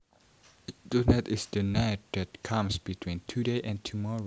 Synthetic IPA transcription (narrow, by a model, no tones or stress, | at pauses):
d̥unɛtɪsdənaɪt̚dæt̚kʰãmsb̥itʰw̥ĩntʰudeɪʔɛ̃ntʰumɔɹo